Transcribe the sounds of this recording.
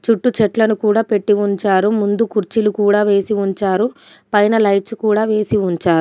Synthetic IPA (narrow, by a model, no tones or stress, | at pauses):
t͡ʃuʈːut͡ʃɛʈlɐnukuːɽaːpe̞ʈːiuɲt͡ʃaːɾumund̪ukuɾt͡ʃilukuːɽaːʋe̞ːsiuɲt͡ʃaːɾu | pɐjnɐlɐjʈskuːɽaːʋe̞ːsiuɲt͡ʃaːɾu